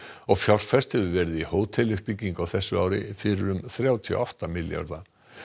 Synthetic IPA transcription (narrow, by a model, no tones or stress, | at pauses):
ɔɣfjɔr̥fɛst̪hɛvʏvɛːɾɪðihoːwt̪ʰɛlʏhpicːiŋkawθɛsːʏaːwɾɪ̰fɪɾɪɾʏmθɾjaːwt̪ʰiɔ̰ʔɔht̪amɪlja̰ɾða